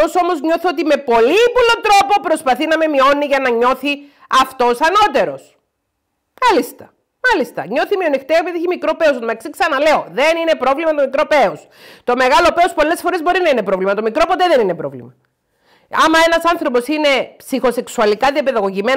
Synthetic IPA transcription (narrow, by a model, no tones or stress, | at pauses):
o̞so̞mo̞zɲo̞θot̪ime̞po̞lipulo̞t̪ɾo̞po̞pɾo̞spɐθinɐme̞mio̞niʝɐnɐɲo̞θi | ɐft̪o̞sɐno̞t̪e̞ɾo̞s | mɐlist̪ɐ | mɐlist̪ɐɲo̞θimio̞nixt̪eepiðieçimikɾo̞pe̞os̬ot̪mɐksiksɐnɐle̞o̞ðe̞nine̞pɾo̞vlimɐt̪omikɾo̞peos | t̪o̞me̞ɣɐlo̞pe̞ospo̞le̞sfo̞ɾezbo̞ɾinɐine̞pɾo̞vlimɐt̪o̞mikɾo̞po̞t̪e̞ðe̞ninepɾo̞̰vlḭmɐ | ɐmɐe̞nɐsɐnθɾo̞po̞sine̞psixo̞se̞ksuɐlikɐðiɐpe̞ðɐɣo̞ʝime̞